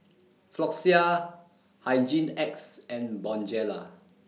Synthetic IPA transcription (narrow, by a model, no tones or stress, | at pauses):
flɔksia | hajd͡ʒĩnɛksɛ̃nbɔ̃nd͡ʒɛla̰